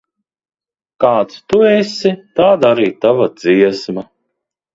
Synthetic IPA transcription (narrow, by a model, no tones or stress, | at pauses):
kaːt̪st̪uɛsit̪aːd̪aɾiːt̪avad̪z̥iɛsma